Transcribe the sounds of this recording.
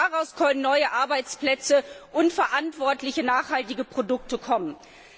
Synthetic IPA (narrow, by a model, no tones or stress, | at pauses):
aʁaʊskʰœnənːɔʏəʔaɐbaɪt͡splɛt͡səʔʊntfɛɐʔantv̥ɔɐtlɪçənaːχhaltɪɡəpʁ̥odʊk̚təkʰɔmən